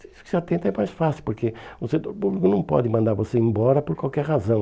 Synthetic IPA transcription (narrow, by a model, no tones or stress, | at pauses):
isu̥kɪ̥ʒat̪ẽt̪ɐɛmajʃfasiwpʊɾkeʊset̪oɾpuβlikunɐ̃w̃pɔ̰ðɪmɐ̃nd̪aɾvoseẽmbɔɾɐpoɾkwalˠkɛɾʁazɐ̃w̃